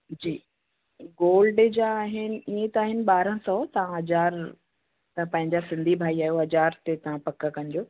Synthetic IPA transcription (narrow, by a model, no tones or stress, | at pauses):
d͡ʑiː | ɡoːlɖed͡ʑaːɦɪnɪ̆iẽt̪aːɦɪnɪ̆ɓaːɾə̃sɔt̪ɐʋ̤ãɦɐd͡ʑaːɾ | t̪ɐpɐ̃ɦɪ̃ɲd͡ʑasɪ̃nd̪ʱibʱaːiaːɦijoɦɐd͡ʑaːɾt̪et̪ɐʋ̤ãpɐkəkɐnɪd͡ʑoː